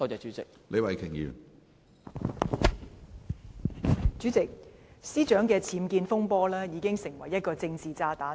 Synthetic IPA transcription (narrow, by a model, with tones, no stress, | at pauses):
ɔː˧t͡sɛː˨˩t͡ʃy˨˥t͡sɪ˨k̚le˨˧jwɐ˨jkʰɪ˨˩ŋjḭː˨˩w | t͡ʃyː˨˥t͡sɪ˨k̚siː˥t͡ʃœː˨˥ŋkɛː˧t͡sʰiː˨˥mkiː˧nfʊ˥ŋpɔː˥lɛː˥jiː˨˧kɪ˥ŋsɪ˨˩ŋwɐ˨˩jːɐ˥t̚kɔː˧t͡sɪ˧ŋt͡siː˨t͡saː˧t̪aː˨˥